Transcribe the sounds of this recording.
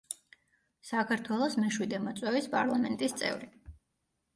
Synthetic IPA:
sakʰaɾt̪ʰwɛlˠɔsmɛʃwid̪ɛmɔt̪sʼwɛvispʼaɾlˠamɛnt̪ʼist̪sʼɛ̰vɾi

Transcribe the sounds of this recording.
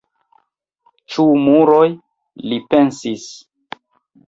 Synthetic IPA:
t͡ʃumuɾoj | lipe̞nsis

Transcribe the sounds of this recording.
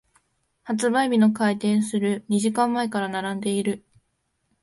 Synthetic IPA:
hat͡sɨbaibʲino̞kait̪ẽ̞ɰ̃sɨɾɯ̟ɲ̟iʑikãmːaekaɾanaɾãnd̪e̞iɾɯ̟

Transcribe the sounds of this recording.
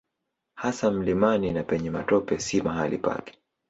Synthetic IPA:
hasam̩limaninapɛɲɛmatɔpɛsimaɦalḭpa̰kɛ̥

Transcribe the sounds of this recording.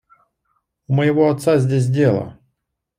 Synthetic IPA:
ʊməjɪvoɐt̪sazʲdʲes̬ʲdʲelˠə̰

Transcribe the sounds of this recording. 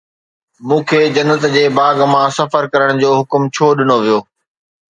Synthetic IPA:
mũːkʰeːd͡ʑɐnːət̪d͡ʑeːbaːɡmãsɐfəɾkɐɾəɽ̃d͡ʑoːɦʊkmt͡ɕʰoːɗɪnoʋijoː

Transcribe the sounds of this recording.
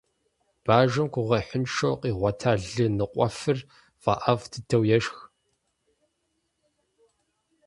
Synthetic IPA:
b̥aːʒɐmkʷʰʊʁɐħɪnʃowqʼiːʁʷɔtʰaːɮɨnɨqʷʼɔfɨr | v̥ɐ̰ʔɐvtʰɨtʰɐwjɛʃx

